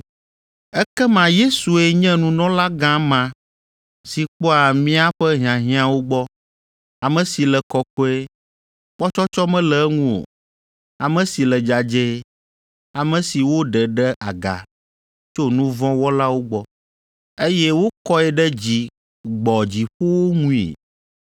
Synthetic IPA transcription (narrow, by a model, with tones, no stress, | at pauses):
ɛ˦kɛ˦mã˨je˦su˨ɛ˦ɲɛ̃˦nũ˨˦nɔ̃˦la˦ɡã˦mã˨ | si˨k͡pɔ˦a˨mĩ˦a˦ɸɛ˦ɦĩ˨ã˨ɦĩ˦ã˦wo˦ɡ͡bɔ˦ | a˨mɛ̃˨si˨lɛ˨kɔ˨kɔ˦ɛ˦ | k͡pɔ˦t͡ʃɔ˦t͡ʃɔ˦mɛ̃˦lɛ˨˦ŋũ˦o̰˨ | a˨mɛ̃˦si˨lɛ˨d͡ʒa˨d͡ʒɛ˦ | a˨mɛ̃˨si˨wo˦ɖɛ˨ɖɛ˦ʔa˨ɡa̰˨ | t͡ʃo˦nũ˦vɔ̃˦wɔ˦la˦wo˦ɡ͡bɔ˦ | e˦jɛ˦wo˦kɔ˦ɛ˨ɖɛ˦d͡ʑi˨ | ɡ͡bɔ˨d͡ʑi˨ɸo˦wo˦ŋũ˦ḭ˨